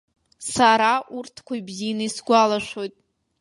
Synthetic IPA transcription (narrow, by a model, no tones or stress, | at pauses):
saɾaʔurtʰkʷʰaibzinaisɡʷalaʃʷᶣojtʼ